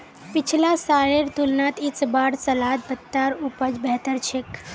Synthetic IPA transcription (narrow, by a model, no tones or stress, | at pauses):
pit͡ʃʰlasaɾeɾt̪ulnat̪it͡sbaɽsəlat̪̚bət̪ːaɾupəd͡ʒbɛɦt̪əɾt͡ʃʰek